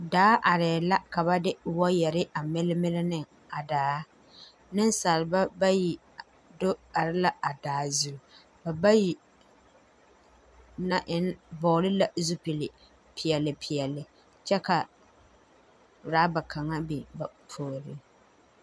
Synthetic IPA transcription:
daː˨˦ʔa˨ɾɛː˨la˦ka˨ba˦dɪ˦wɔ˦jɛ˨ɾɪ˦ʔa˨mɪ˦lɪ˦mɪ˦lɪ˦nɪ˦ŋ | a˨daː˨˦ | nɪ˦n˦sa˨lɪ˨ba˦ba˦ji˨ | do˦a˨ɾɪ˦la˦a˨daː˨˦zu˦˨ | ba˨ba˦ji˨ | na˦ʔɪ˦nbɔː˨lɪ˦la˨zu˦pɪ˨lɪ˨ | pʰɪ˨jɛ˨lːɪ˨pʰɪ˨jɛ˨lːɪ˨ | t͡ʃɛ˦ka˨ | ɾaː˦ba˨kʰa˨ŋa˦bi˨ba˨pʰoː˨ɾɪ˦

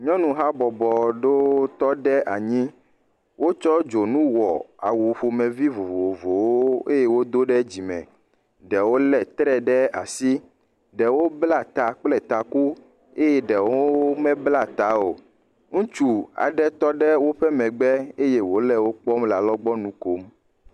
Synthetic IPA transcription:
ɲɔ̃˦nũ˨ɦa˦bɔ˨bɔ˨ɖo˦t̪ɔ˦ɖɛ˦ʔa˨ɲĩ˦ | wo˦t͡ʃɔ˦d͡ʒo˨nũ˦wɔ˨a̰˨wu˨ɸo˨mɛ̃˨vi˦vo˨vo˨vo˨woo˦e˦je˦wo˦d̪o˦ɖɛ˦d͡ʑi˨mɛ̰̃˨ | ɖɛ˨wo˦lɛ˨t̪ɾɛ˦ɖɛ˦a̰˨si˦ | ɖɛ˨wo˦bla˨t̪a˨k͡plɛ˨t̪a˨ku˦ | e˦jɛ˦ɖɛ˨wo˦mɛ̃˦bla˦t̪a˦o˨ | ŋũ˦t͡ʃu˨a̰˨ɖɛ˦t̪ɔ˦ɖɛ˦wo˦ɸɛ˦mɛ̃˨ɡ͡bɛ˦e˦je˦wo˦lɛ˦˨wo˦k͡pɔ˦mla˨lɔ˦ɡ͡bɔ˦nũ˦ko˦m

